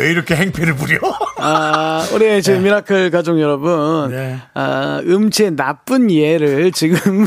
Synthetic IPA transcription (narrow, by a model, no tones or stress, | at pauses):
iɾʌkʰeɦeŋpʰiɾɯɭpuɾjoauɾet͡ɕɯmiɾakʰɯɭkad͡ʑoŋjʌɾʌbuna̰ɯmt͡ɕʰenap͈ɯnjeɾɯɭt͡ɕiɡɯm